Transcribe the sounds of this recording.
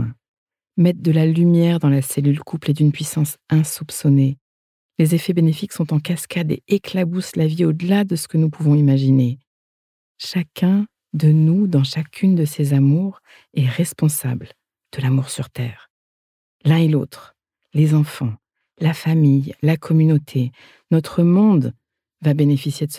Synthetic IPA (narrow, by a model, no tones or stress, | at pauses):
mɛt̪̚d̪əlalymjɛʁd̪ɑ̃lasɛlylkʰupled̪ynpɥisɑ̃sɛ̃supsɔne | lezefɛbenefiksɔ̃t̪ɑ̃kaskad̪ḛeklabuslaviod̪əlad̪əsə̥kənupuvɔ̃imaʒine | ʃakʲɛ̃ | d̪ənud̪ɑ̃ʃakʲʰynd̪əsezamuʁ | ɛʁɛspɔ̃sa̰bl | d̪̥əlamuʁsyʁt̪ɛːʁ | lɛ̃elot̪χ | lezɑ̃fɑ̃ | lafamijlakʰɔmynot̪ʰe | nɔt̪χəmɔ̃d̪ | vabenefisjed̪ə